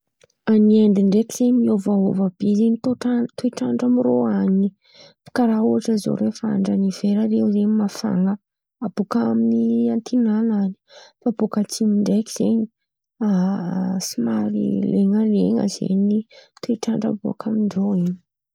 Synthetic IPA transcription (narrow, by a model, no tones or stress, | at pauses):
aniend̪iɳɖ͡ʐekʲiz̥eɲmiovao̰vab̥ezeɲit̪oʈ͡ʂat̪ueʈ͡ʂaɳɖ͡ʐamiroaɲi | pi̥kaɾauaʈ͡ʂəizo̰ɾefaa̰ɳɖ͡ʐaniv̥eɾaɾeuzemafa̰ŋə | ab̥okaminiant̪ʰinanani̥fabokat͡simiɳɖ͡ʐeki̥z̥eɲi | asimaɾḭleŋəlḛŋə̰z̥ḛɲit̪uiʈ͡ʂaɳɖ͡ʐə̰bua̰kʰamiɳɖ͡ʐoiɲi̥